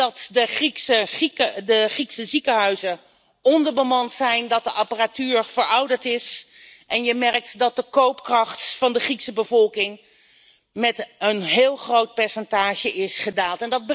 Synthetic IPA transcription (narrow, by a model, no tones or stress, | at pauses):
ɑtdəriksəχiədəχriksəzikəɦœɥzə | ɔndəɹbəmɑntsɛjndɑt̚dəʔaparatyːɹv̥əɹɔwdəɹtɪsʔɛnjəmɛrk̚tdɑt̚dəkowpkrɑχtfɑndəχriksəbəvɔlˠkɪŋ | mɛtənɦɪːlˠχrowt̚pɛɹsɛntaːʒəʔɪsχədaːlˠtɛndɑd̚b